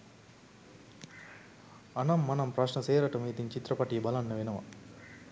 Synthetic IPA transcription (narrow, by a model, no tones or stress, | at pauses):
ɐnɐmːɐnɐmpɾɐʃnɐseːɾɐʈɐmɐjit̪iɲt͡ʃit̪ɾɐpɐʈijɐbɐlɐnːɐʋenɐʋɐ̰